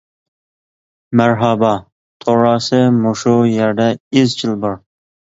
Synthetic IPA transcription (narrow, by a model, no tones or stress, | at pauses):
mæɾɦɑbɑ | t̪ʰoɾɑːsɨmuʃujɛɾd̪ɛizt͡ʃʰɪlˠbɑɾ